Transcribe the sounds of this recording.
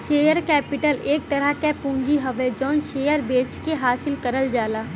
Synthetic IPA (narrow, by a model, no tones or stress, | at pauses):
ʃeːjəɾkɛːpɪʈəleːk̚t̪ɐɾakepũːɲd͡ʒiɦɐʋed͡ʒɔːnʃeːjəɾbeːt͡ʃkeɦaːsɪlkɐɾəld͡ʒaːlaː